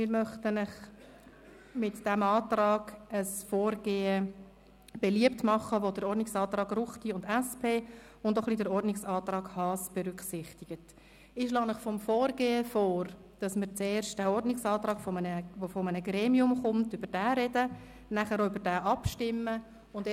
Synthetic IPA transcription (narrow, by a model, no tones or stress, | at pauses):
mɪɾmœχtənəχ | mɪtd̥ɛmɑːtrɑːɡ̥əsfɔːrɡeːə | b̥ɛliəp̚tmɑχəʋodəɾɔrdnɪksɑːt̪rɑːɡrʊχtiʊndæspʰeː | ʊndoχlidəɾɔrdnɪksɑːt̪rɑːɡhɑːsb̥ɛɾʏkχsɪχtɪɡ̥ət | ɪʃ̬lɑːmɪχfɔmfɔːrɡeːəfɔːɾ | d̥ɑsməɾt͡seːɾʃt̚d̥æɔrdnɪksɑːt̪rɑːɡ̥fɔmənəʋofɔmənəɡɾeːmiʊmχʊmtʏbəɾd̥æːɾɛdə | næχəɾoybəɾdæːʔɑpʃtɪmːə | ʊnd